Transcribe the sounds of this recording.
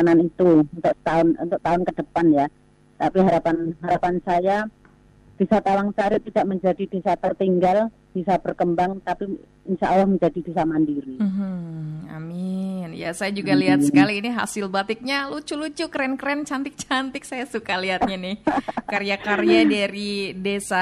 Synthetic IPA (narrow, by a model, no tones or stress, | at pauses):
ananit̪uunt̪ʊk̚t̪aʊnṵnt̪ʊk̚t̪aʊnkədəpanja | t̪apiɦaɾapanɦaɾapansaja | b̥isat̪awaŋsaɾit̪idaʔməɲd͡ʒadid̥isat̪ərt̪iŋɡal | b̥isab̥ərkəmbaŋt̪api | ɪnʃaʔalːahməɲd͡ʒadid̥es̬amandiɾiɦ̩a̰mɪnja̰sajad͡ʒuɡaliɦatsəkaliːniɦa̰sɪlbat̪ɪk̚ɲalut͡ʃulut͡ʃukɾɛnkɾɛnt͡ʃant̪ɪk̚t͡ʃant̪ɪk̚sajasukaliɦat̪̚ɲanɪhaɾijakaɾjadaɾidesa